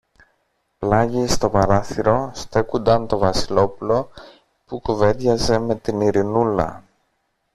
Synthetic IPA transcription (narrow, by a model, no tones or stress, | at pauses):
plɐʝist̪o̞pɐɾɐθiɾo̞st̪e̞kund̪ɐnt̪o̞vɐsilo̞pulo̞ | pukuve̞ðʝɐze̞me̞t̪iniɾinulɐ̰